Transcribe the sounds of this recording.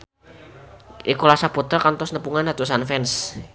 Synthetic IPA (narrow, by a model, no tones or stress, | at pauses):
ʔikulasapot̪ərkant̪ɔsnəpuŋandat̪usanfɛns